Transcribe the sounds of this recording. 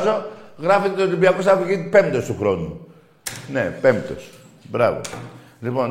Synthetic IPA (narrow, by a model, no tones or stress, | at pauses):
zo̞ɣɾɐfeet̪olimbiɐko̞sɐpuʝit̪pe̞mt̪ost̪uxɾo̞nu | ne̞̰pe̞mt̪o̞̰s | bɾɐvo̰ | lipo̞n